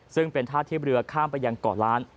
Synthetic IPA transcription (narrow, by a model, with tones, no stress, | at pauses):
sɯ˥˩ŋpe˧nt̪ʰaː˥˩t̪ʰːiː˥˩pɾɯ˧ɐkʰaː˥˩mpa˧jːa˧ŋkɔː˨˩laː˦˥n